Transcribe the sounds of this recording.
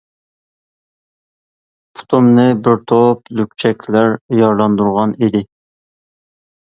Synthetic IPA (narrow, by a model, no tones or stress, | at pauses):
pʰu̥t̪ʰumnɨbɪɾt̪ʰoplyk̚ʲt͡ʃʰɛkʲʰlæɾjɑɾlˠɑnd̪uɾʁɑnid̪ɪ